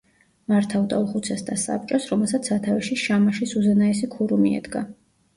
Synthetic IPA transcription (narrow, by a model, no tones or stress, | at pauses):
maɾt̪ʰavd̪aulˠχut̪sʰɛsd̪asa̰p̚t͡ʃʼɔsɾɔmɛlˠsat̪sʰat̪ʰavɛʃiʃamaʃisuzɛnaɛs̬ikʰuɾumiɛ̰d̪ɡa